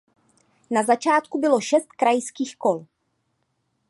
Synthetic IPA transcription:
nazat͡ʃaːt̪kubɪlo̞ʃɛst̪̚kɾajskiːxkol

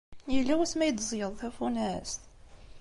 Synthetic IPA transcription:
jəlːæwæsmæjəd̪zˤjəðˤθæfunæst̪

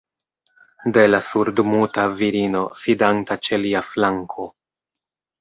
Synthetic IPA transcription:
de̞lasuɾdmutaviɾino̞sidantat͡ʃe̞liaflaŋkʰo̞

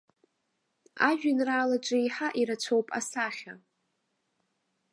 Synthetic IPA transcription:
aʒᶣanraːlaʈ͡ʂʷʼɪiħaʔiɾat͡ʃʷʰowpʼa̰saχʲa

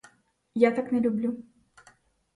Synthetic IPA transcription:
jat̪aknʲɛlʲublʲu

